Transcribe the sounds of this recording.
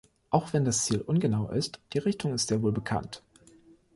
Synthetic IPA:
ʔaʊxv̥ɛndast͡siːlʔʊnɡənaʊʔɪ̰std̥iːʁɪçtʰʊŋɪstz̥eːɐvoːlbəkʰa̰nt

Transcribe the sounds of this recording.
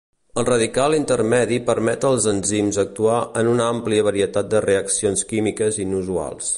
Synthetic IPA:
əlˠrəðikalˠint̪əɾmɛðipəɾmɛt̪əlˠzənzimzək̚t̪uaənunəampliəβəɾiət̪at̪̚d̪əreəksionskimikəzinuzua̰lˠs

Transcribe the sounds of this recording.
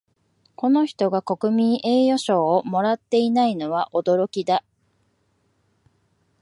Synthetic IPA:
ko̞no̞çi̥t̪o̞ɡako̞kɯ̟mʲĩɰ̃ʔe̞ːjo̞ɕo̞ːmo̞ɾat̪ːe̞inaino̞β̞aʔo̞d̪o̞ɾo̞kʲid̪a

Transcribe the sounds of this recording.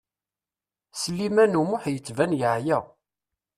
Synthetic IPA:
səlːimænumʊħjət͡sːvænjəʕjæ

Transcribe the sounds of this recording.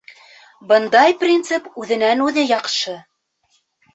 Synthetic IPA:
bɤ̆nd̪ɑjprʲint̪sɨpʉðɘ̆nænʉðɘjɑqʃɤ

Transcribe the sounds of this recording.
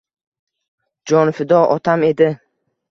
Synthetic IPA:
d͡ʒɔnfɪd̪ɔʔɔt̪ʰamed̪ɪ

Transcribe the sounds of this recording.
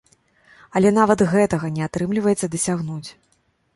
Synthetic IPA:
ɐlʲɛn̪avɐt̪ɣɛt̪ɐɣɐnʲɛat̪ɾɨmlʲivɐjɛt̪sɐd̪ɐsʲaɣnut͡sʲ

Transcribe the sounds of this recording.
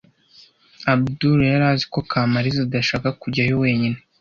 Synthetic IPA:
abduɾjaɾaːzi̥ko̞kʰaːmaɾizadaʃaːkakuɟajowe̞ːɲine

